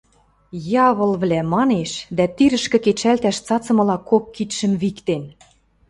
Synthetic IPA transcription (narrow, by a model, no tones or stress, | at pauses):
jɑβɤ̆lβlæmɑneʃd̪æt̪iɾə̆ʃkɘ̆ket͡ɕælt̪æʃt͡sɑt͡sɤ̆mɤ̆lɑkokːit̪ʃə̆mβikt̪en